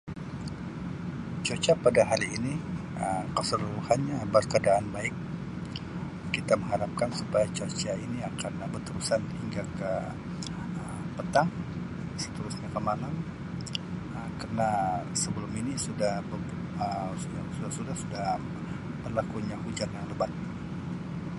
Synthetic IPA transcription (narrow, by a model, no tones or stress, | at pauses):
t͡ʃot͡ʃapadaɦaliːniʔəmkəsəluɾuhanɲabərkəadaʔanbaɪk̚ | it̪aməŋaɾap̚kansupajat͡ʃot͡ʃainiakanbərt̪əɾusanhiŋɡakə | əmpət̪aŋ | sə̥t̪əɾʊsɲakəmalam | əmkarənasəbəlʊminisudahbə | əsuasudahsudahsudah | bərlakuɲahud͡ʒanjaŋləbat̪̚